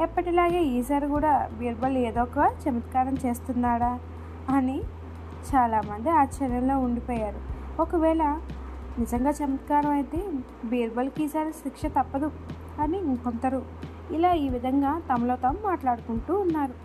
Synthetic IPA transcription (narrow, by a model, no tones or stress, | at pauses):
ɛpːɐʈilaːɡeːiːsaːɾikuːɽaːbiːɾbɐleːd̪ɔːkɐt͡ʃɐmɐt̪kaːɾɐmt͡ʃe̞ːst̪unːaːɽaː | ɐni | t͡ʃaːlaːmɐnd̪iaːt͡ʃɐɾjɐmlo̞ːuɳɖipoːjaːɾuokɐʋɛːɭɐ | nizɐŋɡaːt͡ʃɐmɐt̪kaːɾɐmɐjt̪e | biːɾbɐlkiːsaːɾisikʂɐt̪ɐpːɐd̪u | ɐniŋkont̪ɐɾu | ilaːiːʋid̪ʱɐŋɡaːt̪ɐmɐlo̞ːt̪ɐmmaːʈlaːɽukuɳʈuːnːaːɾu